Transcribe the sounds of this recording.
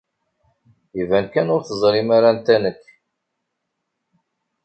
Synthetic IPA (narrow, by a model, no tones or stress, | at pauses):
ivænkænʊɾθəzˤlimaɾant̪ænəkː